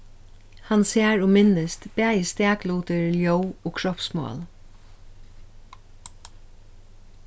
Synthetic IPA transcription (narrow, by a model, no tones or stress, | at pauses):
hanseːɹʊmɪnəst̪b̥ɛːjəst̪ɛːkluːt̪əɹljowoːkʰɹɔpsmɑ̰ːl